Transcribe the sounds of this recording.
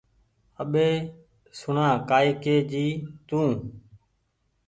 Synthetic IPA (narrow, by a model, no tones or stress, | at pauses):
əɓeː | sʊɳãːkaːikeːd͡ʒiːt̪ũː